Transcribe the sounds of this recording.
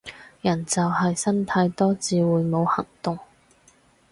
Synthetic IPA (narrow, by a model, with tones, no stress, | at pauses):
jɐ˨˩nt͡sɐ˨wɦɐ˨jsɐ˥nt̪ʰɐ˧jt̪ɔː˥t͡siː˨˧wuː˨˧jmo˨˧whɐ˨˩ŋt̪ʊ˨ŋ